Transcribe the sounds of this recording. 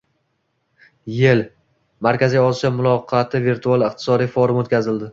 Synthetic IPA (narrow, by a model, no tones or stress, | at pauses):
jɪl | maɾkʲazijɒsijɒmʊlˠɒqʰɑt̪ʰɪviɾt̪ʰualˠɨq̚t̪ʰɪ̥sɒd̪ijfoɾɪmot̪kʲʰazɪld̪ɪ